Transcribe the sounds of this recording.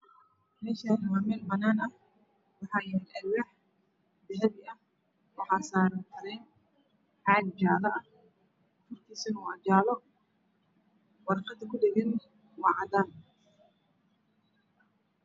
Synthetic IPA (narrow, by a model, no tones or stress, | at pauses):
mɛːʃaːnwaːmɛːlbɐnaːnɐh | wɑħɑːjɛɛʔɐwɛħ | d̪ɛɦɛβɪʔɐh | wɑħɑːsaːɾɐnt̪ʰɐɾɛjn | ħɑːd̪̚d͡ʒaːlɐʔɐ | fʊrkʰiːsɪnuːɐd͡ʒaːlɔ | wɑrqɐd̪ɐkʰʊɖɛɣɛn | wɑːʕɑd̪aːn